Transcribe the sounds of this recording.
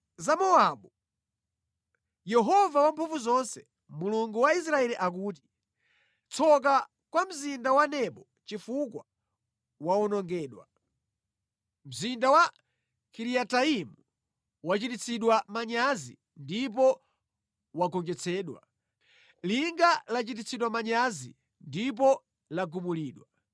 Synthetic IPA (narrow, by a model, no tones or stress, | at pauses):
zamɔaɓu | jɛɦɔvawampʰuɱvuzɔnsɛ | muluŋɡuwais̬ɾaɛliʔak̬uːt̬i̥ | t͡sʰɔk̬a | kwam̩zindawanɛpɔ | t͡ʃifukwa̰ | waɔnɔŋɡɛːɗwa̰ | m̩zindawa | kʰiɾiataimu | wat͡ʃitit͡sʰiɗwamaɲazḭ | ndip̬ɔ | waɡɔŋd͡ʒɛt͡sʰɛːɗwa̰ | liŋɡalat͡ʃitit͡sʰiɗwamaɲazḭ | ndip̬ɔ | laɡumuliːɗwa